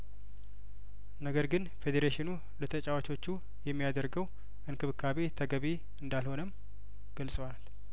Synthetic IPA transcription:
nəɡəɾɡɨnfe̞d̪eɾeʃɪnu | lət̪ʰət͡ʃʼawat͡ʃo̞t͡ʃːu | jɛmːijad̪əɾɡəw | ʔɨnkʰɨβɨkʰːaβet̪ʰəɡəβi | ɨnd̪alho̞nəm | ɡ̥əlsʼəwal

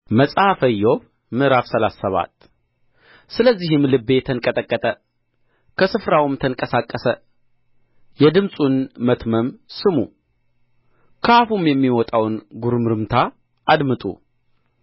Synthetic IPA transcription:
məsʼafəjːoβ | mɨʔɾafsəlasːəβa̰t̪ | sɨləzːihɨmlɨbːe̞t̪ʰənkʼət̪ʼəkʼːət̪ʼə | kʰəsɨfɾawɨmt̪ʰəŋkʼəsakʼːəsə | jɛd̪ɨmsʼunmət̪məmsɨmu | kʰafumjɛmːiwɔt̪ʼawnɡuɾmɨɾɨmt̪ʰa | ʔad̪mɨt̪ʼṵ

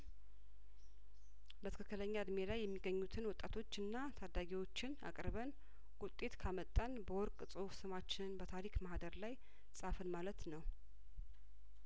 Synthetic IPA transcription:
bət̪ʰɨ̥kʰɨkːɨləɲːad̪melajːɛmːiɡəɲːut̪ʰɨnwɔt̪ʼːat̪ʰo̞t͡ʃːɨnːat̪ʰad̪aɡiwo̞t͡ʃːɪna̰kʼɾβən | wʊt̪ʼːe̞t̪kʰamət̪ʼːanbəwɔɾkʼsʼɨhufsɨmat͡ʃːɪnbət̪ʰaɾikmahd̪əɾlaj | sʼafɨnmalət̪nəw

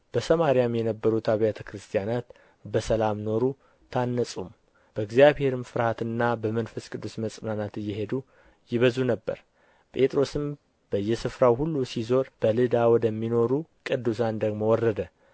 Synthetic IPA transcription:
b̥əsəmaɾijamjɛnəbːəɾut̪aβijat̪ʰəkɾɨst̪ʰjanat̪ | bəsəlamno̞ɾu | t̪ʰanːəsʼum | b̥əɡzjaβhe̞ɾɨmfɨɾhat̪ɨnːabəmənfəskʼɨd̪ːusməsʼɨnanat̪ɨjːɛɦe̞d̪u | jɪβəzunəbːə̰ɾ | pʼe̞t̪ʼɾo̞sɨm | b̥əjːɛsɨfɾawhulːusizo̞ɾb̥əlɨd̪awɔd̪əmːino̞ɾukʼɨd̪ːus̬and̪əɡmo̞wɔrːəd̪ə

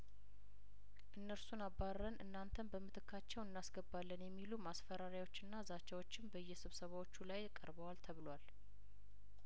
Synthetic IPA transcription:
ʔɨnːəɾsunabːaɾːənʔɨnːant̪ʰənbəmːɨt̪ʰɨkʰːat͡ʃːɛwɨnːasɡəbalːənjɛmːilumasfəɾaɾjwo̞t͡ʃːɨnːazat͡ʃːawo̞t͡ʃːɪnbəjːɛsɨβsəβawo̞t͡ʃːulajkʼəɾbəwalt̪ʰəβɨlwal

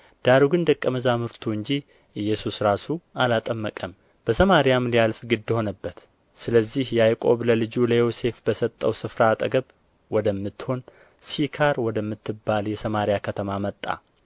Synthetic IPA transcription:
d̪̥aɾuɡɨnd̪əkʼːəməzamɨɾt̪ʰuɨɲd͡ʒi | ʔɨjːɛsusɾasualat̪ʼəmːəkʼəm | b̥əsəmaɾijamlijalfɡɨd̪ːho̞nəbːət̪ | sɨləzːihjɛajkʼo̞̰βləlɨd͡ʒuləjose̞fbəsət̪ʼːəwsɨfɾat̪ʼəɡəβ | wɔd̪əmːɨt̪ːho̞n | sikʰaɾwɔd̪əmːɨt̪ʰːɨbːaljɛsəmaɾijakʰət̪ʰəmamət̪ʼːa̰

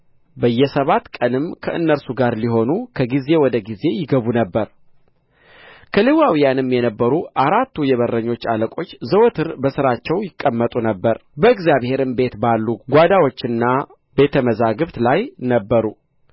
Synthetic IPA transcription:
bəjːɛsəβat̪ːkʼənɨmkʰəʔɨnːəɾsuɡaɾliɦo̞nukʰəɡize̞wɔd̪əɡize̞jɪɡəβunəbːəɾ | kʰəlewawijanɨmjɛnəbːəɾuʔaɾat̪ːujɛβərːəɲːo̞t͡ʃːaləkʼo̞t͡ʃːzəwot̪ʰɨɾbəsɨɾat͡ʃːɛwjɪkʼːəmːət̪ʼunəbːəɾbəɨkzjaβhe̞ɾɨmbe̞t̪balːuɡʷad̪awo̞t͡ʃːɨnːa | be̞t̪ʰəməzaɡɨβt̪lajnəbːəɾu

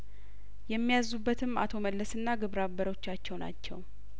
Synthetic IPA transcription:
jɛmːijazːubːət̪ʰɨma̰t̪ʰo̞məlːəsɨnːaɡɨβɾabəɾo̞t͡ʃːat͡ʃːɛwna̰t͡ʃːɛ̰w

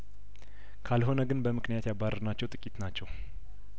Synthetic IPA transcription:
kʰalɦo̞nəɡɨnbəmɨkʰnijat̪jabːarːənat͡ʃːɛwt̪ʼɨkʼit̪nat͡ʃːɛw

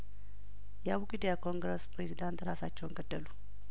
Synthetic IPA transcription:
jɛaβukʼid̪ijakʰo̞ŋɡɾəspɾezid̪ant̪ɾasat͡ʃːɛwɪŋɡəd̪ːəlu

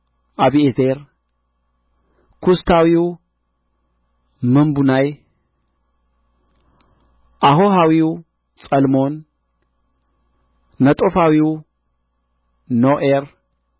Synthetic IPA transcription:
ʔaβiet̪ʰeɾ | kʰust̪ʰawiu | mɨmbunaj | ʔahoɦawiu | t͡sʼɐlmo̞n | nɐt̪ʼofawiu | noʔeɾ

